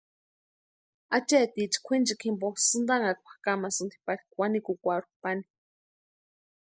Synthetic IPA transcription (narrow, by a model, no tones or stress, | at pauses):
at͡ʃet̪it͡ʃi̥kʷʰint͡ʃikʰimposɨnd̪aŋakʷḁkamasɨnd̪ʰi̥paɾi̥kwʷanikukʷaɾupani̥